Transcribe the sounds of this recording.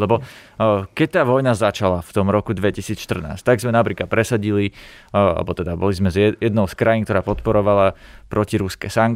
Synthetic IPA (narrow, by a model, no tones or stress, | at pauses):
lɛbɔ | kɛc̚t̪aːʋɔjnazat͡ʃalaft̪ɔmɾɔkud̪ʋɛcisiːt͡sʃt̪r̩na̰ːsc̚t̪aɡzmɛnapɾiːkat̪̚pɾɛsaɟilia̰lɛ̰bɔt̪ɛd̪abɔlizmɛzɛɛd̪nɔʊskɾajinkt̪ɔɾaːpɔt̪pɔɾɔʋalapɾɔciɾuskɛsaŋk